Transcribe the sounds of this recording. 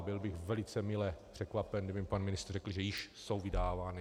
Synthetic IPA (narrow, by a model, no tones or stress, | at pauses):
bɪlbɪxvɛlɪt͡sɛmɪlɛpr̥ɛkvapɛnɡdɪbɪmɪpanmɪnɪst̪rrɛkl̩ʒɛjɪʃsowvɪdaːvaːnɪ